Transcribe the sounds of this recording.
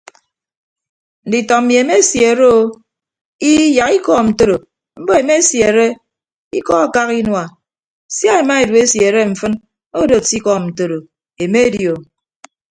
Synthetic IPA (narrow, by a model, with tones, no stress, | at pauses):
n̩˨di˨tɔ˨m̩˨mi˨e˨me˦sje˨e˨ɾe˦o˦ | i˦ja˨ki˦kɔ˦˨n̩˨to˦ɾo˨ | m̩˦bɔ˦e˨me˦sje˨ɾe˦ | i˦kɔ˦a˨ka˦ki˦nwa˨ | sja˦e˨ma˦e˨du˨e˦sje˨ɾe˦ɱ̩˨fɨ˦n | o˦do˨ti˦kɔ˦n̩˨to˨ɾo˨ | e˨me˦djo˨